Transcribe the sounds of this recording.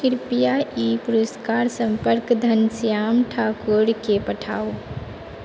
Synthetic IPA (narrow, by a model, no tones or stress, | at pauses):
kiɾpijaʔipuɾəskaɾsəmpəɾkd̪ʱənsijamʈʰakoɾkepəʈʰa̰o